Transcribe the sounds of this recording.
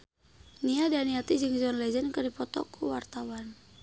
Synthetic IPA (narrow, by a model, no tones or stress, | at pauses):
niadaniat̪id͡ʒɨŋzɔnlɛd͡ʒɛnkərdipɔt̪ɔ̰kʰuwa̰rt̪awan